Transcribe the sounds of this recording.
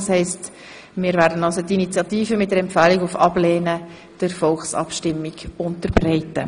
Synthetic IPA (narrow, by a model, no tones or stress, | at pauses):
shɛɪst | mɪːɾvæːɾdənɑlsodinit͡sjɑtiːfəmɪt̚d̥əɾɛmpfæːliɡufɑb̥leːnə | d̥əɾfɔlχsɑ̰pʃtɪmːiɡʊntəɾbrɛɪtə̰